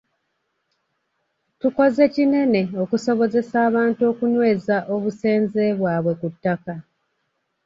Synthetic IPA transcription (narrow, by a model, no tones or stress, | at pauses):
tuko̞ze̞cine̞ne̞o̞kuso̞βo̞ze̞saːβaːnto̞ːkunwe̞ːzaʔo̞βuse̞ːnze̞βwaːβwe̞kutːaka